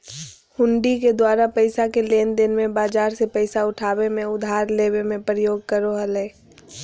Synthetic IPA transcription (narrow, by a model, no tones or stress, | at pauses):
hʊ̃ɳɖiked̪waːɾapəɪsakeleːnd̪ɪnmẽbaːd͡ʒaːɾsepəɪsaʊʈʰaːbemẽʊd̪ʱaːɾleːbemẽpɾəjoːɡ̚kəɾoɦəleː